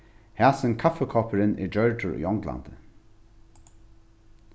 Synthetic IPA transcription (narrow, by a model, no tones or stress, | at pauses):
hæːsɪnkʰafəkʰɔːpəɾɪnʔḭd͡ʒœɹtʊɹṵːɔŋɡla̰nd̪ə